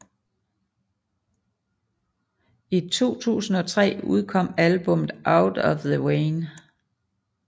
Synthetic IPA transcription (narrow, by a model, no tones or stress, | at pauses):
it͡sʰo̝̰ːt͡sʰṵːsn̩ɒ̽t͡sʰʁɛ̰ːuð̞ˠkʰɒ̽m̰ælb̥ɔ̽mð̩ˠʔäʊd̥ɒfðəweːn